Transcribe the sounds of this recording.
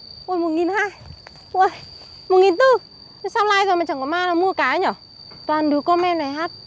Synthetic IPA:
ʔo˨˧˩mo˨˩t̚ŋi˨˩nhaː˧j | ʔə˧˩j | mo˨˩t̚ŋi˨˩nt̪ɨ˧ | saː˧wlaː˧jzo˨˩jma˨˩ɲt͡ɕa˧˩ŋkɔ˧˨˦maː˧nɔ˨˦mu˧əkaː˨˦ɲɔ˨˧˩ | t̪waː˨˩nɗɨ˨˦kːɔ˧mʔɛ˧mna˨˩jɦaː˦˥t̚

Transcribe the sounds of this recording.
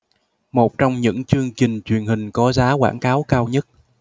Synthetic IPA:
mo˨˩t̚t͡ɕɔ˧wŋ͡mɲɨ̰˧˥ŋt͡ɕɨ˧əŋt͡ɕï˨˩ŋ̟t͡ɕwi˨˩ənhï˨˩ŋ̟kɔ˨˦zaː˨˦kwa̰ː˧˩nkaː˨˦wkaː˧wɲə˦˥t̚

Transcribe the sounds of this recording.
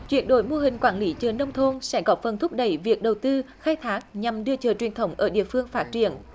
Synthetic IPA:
t͡ɕwi˧˨˩ənɗo˧˨˦jmo˧ɦï˨˩ŋ̟kwaː˧˩nli˨˦t͡ɕəː˨˩nə˧wŋ͡mt̪ʰo˧nsɛ̰˧˥ɣɔ˨˥fə˨˩nt̪ʰʊ˦˥p̚ɗə˧˩jvi˨˩ək̚ɗə˨˩wt̪ɨ˧xaː˧jt̪ʰaː˦˥k̚ɲa˨˩mɗɨ˧ət͡ɕəː˨˩t͡ɕwi˨˩ənt̪ʰə˨˦wŋ͡mʔəː˧˩ɗḭ˧˨əfɨ˧əŋfaː˦˥t̚t͡ɕḭ˧˨ən

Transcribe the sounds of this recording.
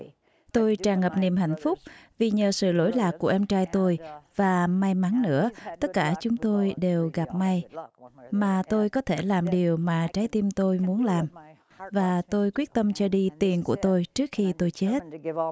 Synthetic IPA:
t̪o˧jt͡ɕaː˨˩ŋə˨˩p̚ni˨˩mɦa̰˧˨jŋ̟fʊ˦˥k͡p̚vi˨˩ɲəː˨˩sɨ̰˧˨lo̰˧˥jlaː˨˩kːu˧˩əʔɛ˧mt͡ɕaː˧jt̪o˧jvaː˨˩ma˧jma˨˦nnɨ̰˧˥ət̪ə˦˥t̚kaː˧˩t͡ɕʊ˨˦ŋ͡mt̪o˧jɗe˨˩wɣa˨˩p̚ma˧j | maː˨˩t̪o˧jkɔ˨˦t̪ʰe˧˩laː˨˩mɗi˨˩əwmaː˨˩t͡ɕaː˨˦jt̪i˧mt̪o˧jmu˨˦ənlaː˨˩m | vaː˨˩t̪o˧jkwi˦˥ət̚t̪ə˧mt͡ɕɔ˧ɗi˧t̪i˨˩ənku˧˩ət̪o˧jt͡ɕɨ˦˥ək̚xi˧t̪o˧jt͡ɕe˦˥t̚

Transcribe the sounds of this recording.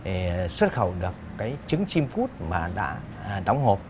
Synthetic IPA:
e˨˩swə˦˥t̚xə˧˩wɗɨ˨˩əkːaː˨˦jt͡ɕɨ˨˦ŋt͡ɕi˧mfu˦˥t̚maː˨˩ɗa̰ː˧˥˨ | ɗa˨˦wŋ͡mɦo˨˩p̚

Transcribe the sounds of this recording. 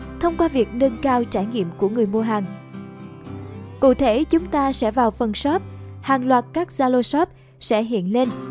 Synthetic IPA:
t̪ʰə˧wŋ͡mkwaː˧vi˨˩ək̚nə˧nkaː˧wt͡ɕaː˧˩jŋḭ˧˨əmku˧˩əŋɨ˨˩əjmu˧əɦaː˨˩ŋ | kṵ˧˨t̪ʰe˧˩t͡ɕʊ˨˦ŋ͡mt̪aː˧sɛ̰˧˥vaː˨˩wfə˨˩nsɔ˦˥t̚ | haː˨˩ŋlwaː˨˩t̚kaː˦˥k̚z̥aː˧lo˧sɔ˦˥p̚ | sɛ̰˧˥ɦḭ˧˨ənle˧n

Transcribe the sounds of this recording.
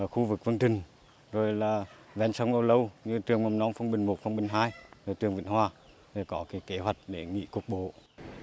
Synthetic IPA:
əː˧˩xu˧vɨ˨˩k̚vɨ˧ŋt̪ï˨˩ŋ̟ | zo˨˩jlaː˨˩ | vɛ˧˩nsə˨˦wŋ͡mʔə˧wlə˧wɲɨ˧t̪ɨ˨˩əŋmɔ˨˩mnɔ˨˦mfə˧wŋ͡mɓï˨˩ŋmo˨˩t̚fə˧wŋ͡mɓï˨˩ŋ̟ɦaː˧jzo˨˩jt̪ɨ˨˩əŋvḭ˧˨nɦwaː˧ | ze˨˩kɔ˨˦kaː˨˦jke˨˦ɦwa˨˩jk̟̚ɗe˧˩ŋḭ˧˥kʊ˨˩k͡p̚ɓo̰˧˨

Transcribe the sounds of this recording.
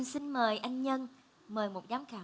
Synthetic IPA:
si˧nməː˨˩jʔa˧jŋɲə˧n | məː˨˩jmo˨˩t̚zaː˨˦mkaː˧˩

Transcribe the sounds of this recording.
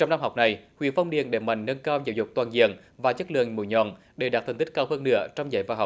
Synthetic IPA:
t͡ɕɔ˧wŋ͡mna˧mɦa˨˩wk͡p̚na˨˩jhwḭ˧˨ənfa˧wŋ͡mɗḭ˨ənɗe˨˩ma̰˧˨jŋ̟ːə˧nkaː˧wzə̰˧˦wzʊ˨˩k͡p̚t̪waː˨˩nzḭ˧˨ən | vaː˨˩t͡ɕə˦˥t̚lɨ̰˧˨əŋmṵ˧˨˦ɲɔ̰˧˨n | ɗe˨˧˩ɗaː˨˩t̪̚ʰə˨˩ŋt̪i˦˥k̚kaː˧whəː˧nːɨ̰˧˥ət͡ɕɔ˧wŋ͡mzə̰˧˦jvaː˧˩ɦa˨˩k͡p̚

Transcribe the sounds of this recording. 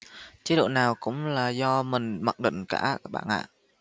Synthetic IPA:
t͡ɕi˨˦ɗṵ˧˨naː˨˩wkʊ̰˧˥ŋ͡mlaː˨˩zɔ˧mï˨˩ŋ̟mə˨˩t̚ɗḭ˧˨ŋ̟kaː˧˩˦k̚ɓa̰ː˧˨nʔa̰ː˧˨

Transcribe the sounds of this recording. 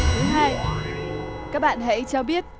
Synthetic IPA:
t̪ʰɨ˨˦ɦaː˧j | kaː˦˥k̚ɓa̰ː˧˨nɦə̰˧˥jt͡ɕɔ˧ɓi˦˥ət̚

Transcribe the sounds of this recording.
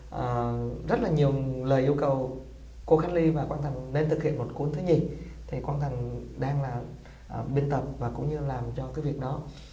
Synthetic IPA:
ʔəː˨˩zə˦˥t̚laː˨˩ɲi˨˩əwləː˨˩jʔi˧əwkə˨˩w | ko˧xaː˨˦nli˧vaː˨˩kwaː˧nt̪ʰa˨˩ŋ̟ne˧nt̪ʰɨ˨˩k̚hḭ˧˨ənmo˨˩t̚ku˨˦nt̪ʰɨ˨˦ɲi˧˩ | t̪ʰi˨˩kwaː˧nt̪ʰa˨˩ŋ̟ɗaː˧ŋlaː˨˩ | ʔɓi˧nt̪ə˨˩p̚vaː˨˩kʊ̰˧˥ŋ͡mɲɨ˧laː˨˩mt͡ɕɔ˧kaː˨˦jvi˨˩ək̚ɗɔ˨˦

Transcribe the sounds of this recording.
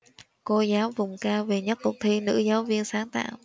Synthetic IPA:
ko˧zaː˨˦wvʊ˨˩ŋ͡mkaː˧wvi˨˩ɲə˦˥t̚kʊ˨˩k͡p̚t̪ʰi˧nɨ̰˧˥zaː˨˦wvi˧ənsaː˨˦ŋt̪a̰ː˧˨w

